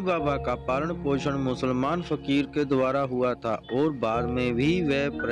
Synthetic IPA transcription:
baːbakapaːləɳpoːʃəɽmʊsəlmaːnfəkiːɾked̪waːɾaɦʊat̪ʰaʔɔːɾbaːd̪mẽbʱiʋɛːpɾ

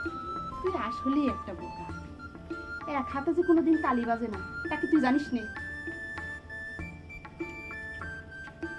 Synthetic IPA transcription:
t̪uiaʃɦoliɛk̚ʈabolt̪a | eɾakʰat̪ad͡ʑekonod̪int̪alibad͡ʑenat̪aket̪ujd͡ʑaniʃne

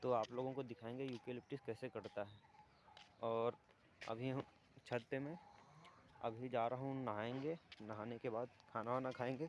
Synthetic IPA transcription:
t̪oaːploːɡõkod̪ɪkʰaːẽːŋɡejuːpielɪp̚ʈɪskɛːsekɐɾt̪aɦɛ | ɔːɾ | ɐ̰bʱiɦ | t͡ʃʰɐt̪ːemẽ | ɐ̰bʱid͡ʒaːɾɐɦũnɐɦaẽːŋɡenɐɦaːnekebaːd̪kʰaːnaʋanakʰaːẽːŋɡeː

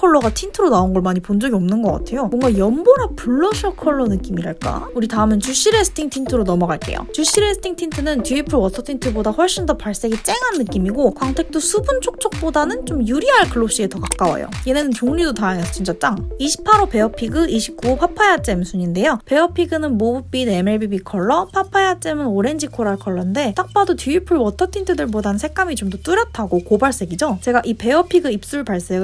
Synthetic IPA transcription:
kʰʌɭːʌɡatʰintʰɯɾonaunɡʌɭmaɲipond͡ʑʌɡiʌmnɯnɡʌk͈a̰tʰe̞jomʌŋɡajʌmboɾapuɭːʌɕʰʌkʰʌɭːʌnɯk͈imiɾaɭk͈a̰uɾitaɯmɯnt͡ɕuɕ͈iɾesʰɯ̥tʰiŋtʰintʰɯɾonʌmʌɡaɭk͈e̞̰jo̰t͡ɕuɭɕ͈iɾesʰɯ̥tʰiŋtʰintʰɯnɯntuipʰɯɭwʌsʰʌtʰintʰɯbodaɸʌɭɕ͈indʌpaɭs͈e̞ɡit͡ɕ͈e̞ŋɦanːɯk͈imiɡokwaŋtʰe̞k̚t͈osʰubunt͡ɕʰok̚t͡ɕ͈ʌk̚p͈odanɯnt͡ɕomjuɾiɦaɭkɯɭːop̚ɕ͈ie̞tʌkak͈awa̰jo̰je̞nenɯnt͡ɕoŋɲidotajaŋesʰʌt͡ɕint͡ɕ͈at͡ɕ͈aŋiɕʰi̥pʰːaɾope̞ʌpʰiɡɯiɕʰik͈upʰapʰaeat͡ɕ͈e̞msʰuɲinde̞jope̞ʌpʰiɡɯnɯnmobup͈ine̞me̞ɭbibikʰʌɭːʌpʰapʰaeat͡ɕ͈e̞mɯnoɾe̞nd͡ʑikʰoɾaɭkʰʌɭːʌnde̞t͈ak̚p͈adotʰiipʰɯɭwʌtʰʌtʰintʰɯdɯɭbodansʰe̞k̚k͈amit͡ɕomdʌt͈uɾjʌtʰaɡokobaɭs͈e̞ɡid͡ʑot͡ɕe̞ɡaʔipe̞ʌpʰiɡɯip̚s͈uɭpaɭs͈e

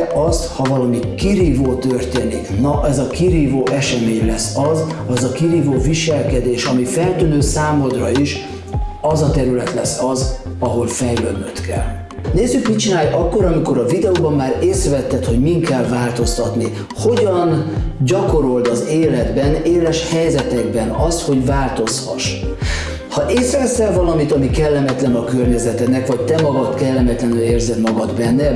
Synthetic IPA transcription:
ʔɒst̪hɒvɒlɒmikiɾiːvoːt̪ørt̪eːnḭknɒʔɛzɒkiɾiːvoːʔɛʃɛmeːɲlɛsːɒzɛzɒkiɾiːvoːviʃɛlkɛd̪eːʃɒmifɛlt̪ynøːsaːmod̪rɒiʃ | ɒzɒt̪ɛɾylɛt̪lɛ̰sːɒzɒɦo̞lfɛjlø̰ːd̪nøt̪kɛ̰l | neːzːykmit͡ʃinaːjʔɒkːo̞ɾɒmiko̞ɾɒvid̪ɛoːbɒmːaːɾeːsɾɛvɛt̪ːɛt̪ho̞ɟmiŋkɛlvaːlt̪o̞st̪ɒt̪ni | ho̞ɟɒnɟɒko̞ɾo̞ld̪ɒzeːlɛd̪bɛneːlɛʃhɛjzɛt̪ɛɡbɛnɒst̪ho̞ɟvaːlt̪o̞shɒ̰ʃ | hɒʔeːsɾɛvɛsɛlvɒlɒmit̪ɒmikɛlːɛmɛt̪lɛnɒkørɲɛzɛt̪ɛnɛkvɒc̚t̪ɛmɒɡɒt̪kɛlːɛmɛt̪lɛnyleːrzɛd̪mɒɡɒd̪bɛnːɛ

